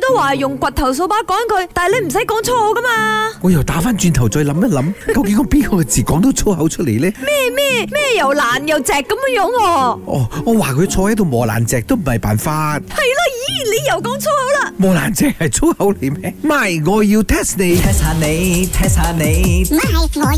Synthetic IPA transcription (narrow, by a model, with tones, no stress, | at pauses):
t̪o˥waː˨jʊ˨ŋkʷɐ˨˩t̚t̪ʰɐ˨˩ws̬o˧wpaː˨˥kɔː˨˥nkʰɵ˨˧ɥt̪aː˨le˨˧jm̩˨˩sɐ˨˥jkɔː˨˥ŋt͡sʰɔ˥o˨˥kɐ˥maː˧ŋɔː˨˧jɐ˨˩wt̪aː˨˥faː˥nt͡ʃyː˧nt̪ʰɐ˨˩wt͡sɔː˧jlɐ˨˥mt̪ɐ˥t̚lɐ˨˥mkɐ˧wkɪ˨˥ŋɔː˨˧piː˥nkʰɔː˨˧kɛː˧t͡siː˨˩kɔː˨˥ŋt̪o˨˥wt͡sʰo˥whɐ˨˥wt͡ʃʰə˥t̚le˨˩jlɛː˥mɛː˥˨mɛː˥mɛː˥˧jɐ˨˩wlaː˨˩njɐ˨wt͡sɛː˨˩kːɐ˨˥mː˧˥jɔː˨˥ŋɔː˧ʔɔ̰ː˨˧ŋɔː˨˧waː˨kʰɵ˧ɥt͡sʰɔː˧hɛː˨˥t̪ʰo˨˧ŋmɔː˨˩la̰ː˨˩nt͡sɛː˨k̚t̪o˥wm̩˨˩hɐ˨jpaː˨˩nfaː˧t̚hɐ˨˩jlaː˧jiː˨˥˨le˨˧jjɐ˨˩wkɔː˨˥ŋt͡sʰo˥hɐ˨˥wlaː˧mɔː˨laː˨˩nt͡sɛː˨k̚hɐ˨jt͡sʰo˥whɐ˨˧˥wle˨˩jmɛː˥ma˨˧jŋɔː˨˧jiː˧wt̪ʰɛː˥sne˨˧j̪ʰɛ˥saː˧ne˨˧jt̪ʰɛ˥saː˨˧ne˨˧j | ŋɔ˨˧